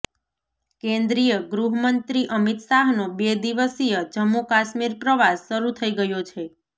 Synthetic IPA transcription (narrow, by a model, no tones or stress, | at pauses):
kẽnd̪ɾijəɡɾuɦmənt̪ɾiʔəmit̪saɦnobed̪iʋəsijəd͡ʒəmːukaʃmiɾpɾəʋasːəɾut̪ʰəiɡəjot͡ʃʰe